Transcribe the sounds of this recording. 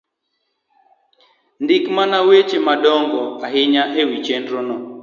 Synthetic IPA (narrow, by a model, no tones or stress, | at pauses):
ndɪkmanawet͡ʃemadɔŋɡɔaɦɪɲaʔewit͡ʃendɾonɔ